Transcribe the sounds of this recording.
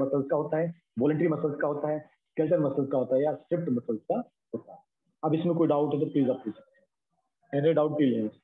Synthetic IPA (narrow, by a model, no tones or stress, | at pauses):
mɐsəlzkaɦoːt̪aɦɛ | ʋɔːləɳʈəɾimɐsəlskaɦoːt̪aɦɛː | kɛlʈənmɐsəlzkaɦoːt̪aɦɛjasʈɾɪp̚ʈmɐsəlzka | ɦoːt̪aɦɛ | ɐbɪsmẽkoːiɖaʊʈɦɛt̪opliːzapkusɐk̚t̪ẽ | ɛneɖaːʊʈ̚ːilẽd͡ʒ